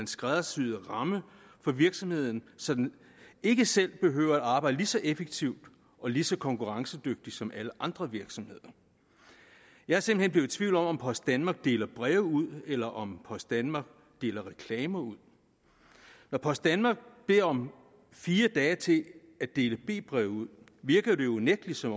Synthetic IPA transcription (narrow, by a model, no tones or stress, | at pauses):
ænsɡ̥ʁaðˠɐsyðˠʁɑ̈mə | fɒ̽ʋiɐɡ̥sɒ̽mhe̝ð̞̰ˠn̩sɒ̽d̥æn | e̝ɡ̥əsel̰b̥e̝ɦøːʊɐæd̥ɑ̈ːb̥ɑ̈ɪd̥əlisɒ̽ʔefeɡ̥̚t͡sʰiʊ̰d̥ | ʔɒ̽lisɒ̽kʰɒ̽ŋkʰuʁɑ̈ŋsəd̥øɡ̥̚d̥isɒ̽mʔæləʔɑ̈nd̥ʁɐʋiɐɡ̥sɒ̽mhe̝ð̰ˠɐ | jɑ̈hæɐse̝m̥l̩henb̥le̝ʊð̩ˠt͡sʰʋiʊ̰ld̥ɒ̽mɒ̽mpʰɒ̽sd̥d̥ænmɑ̈ːɡ̥̚d̥e̝ːlɐb̥ʁɛʊuð̞̰ˠelɐʔɒ̽mpʰɒ̽sd̥ænmɑ̈ːɡ̥ | d̥e̝̰ːlɐʁɛkʰlɛːmɐuð̰ˠ | nɒpʰɒ̽sd̥ænmɑ̈ːɡ̥̚b̥e̝ɐ̰ɒ̽m | fiːɐd̥ɛːt͡sʰe̝ | æd̥e̝ːləb̥e̝̰ːb̥ʁɛʊuð̰ˠ | ʋiɐɡ̥əð̩ˠd̥e̝jouneɡ̥lisɒ̽m